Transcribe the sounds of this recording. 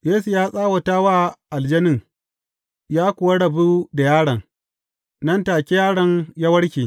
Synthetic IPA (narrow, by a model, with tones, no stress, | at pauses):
jeː˦s̬u˨jaː˦sʼaː˦wɐ˨taː˦waː˦ʔa˨ld͡ʒɐ˦nɪ˦ŋ | jaː˦kʷʊ˨wa˦ɽɐ˨bu˦da˨jaː˦ɽɐ˨ŋ | nɐ˦ntaː˨kʲi˦jaː˦ɽɐ˨ŋja˦wɐ˦ɽkʲiː˨